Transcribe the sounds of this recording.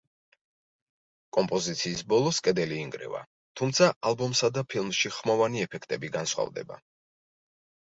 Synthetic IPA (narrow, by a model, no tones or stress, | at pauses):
kʼɔmpʼɔzit̪sʰiːsbɔlˠɔskʼɛd̪ɛliːŋɡɾɛ̰va̰ | t̪ʰumt̪sʰaʔalˠbɔmsad̪apʰilˠmʃiχmɔvaniɛpʰɛkʰt̪ʼɛbiɡansχwa̰vd̪ɛ̰ba̰